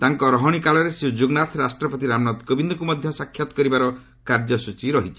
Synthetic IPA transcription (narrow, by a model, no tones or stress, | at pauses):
t̪aŋkɔɾɔɦɔɽ̃ikaɭɔɾeseud͡ʒuɡnat̪ʰɾasʈɾɔpɔt̪iɾamnɔt̪kobind̪ɔkumɔd̪ʱjɔsakʰːjɔt̪ɔ̥kɔɾibaɾɔ | kaɾd͡ʒɔsut͡ʃiɾɔɦit͡ʃʰi